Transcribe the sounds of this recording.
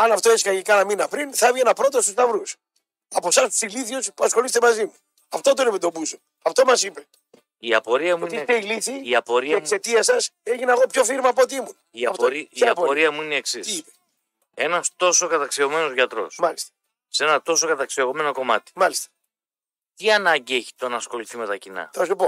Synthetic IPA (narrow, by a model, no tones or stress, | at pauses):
ɐnɐft̪o̞eskɐjikɐnɐminɐpɾinθɐvʝeenɐpɾo̞t̪ost̪ust̪ɐvɾus | ɐpo̞sɐst̪siliθospuɐsxo̞list̪emɐzimu | ɐft̪ot̪̬oinepit̪o̞buso | ɐft̪o̞mɐsipe | iɐ̰po̞ɾiɐmuit̪ist̪eilisiiɐpo̞ɾiɐeksse̞t̪iɐsɐseʝinɐɣopço̞fiɾmɐːpot̪iimun | iɐtɾiɐpoɾiɐmuineeksisipe | e̞nɐst̪o̞so̞kɐt̪ɐksio̞me̞no̞zʝɐt̪ɾo̞̰smɐlist̪ɐ̥ | se̞nɐt̪o̞so̞kɐt̪ɐksioɣome̞no̞ko̞mɐ̰t̪i̥mɐlist̪ɐ̥ | t̪iɐnɐɲɟieçi̥t̪o̞nɐsxo̞liθime̞t̪ɐcinɐ̰θɐsopo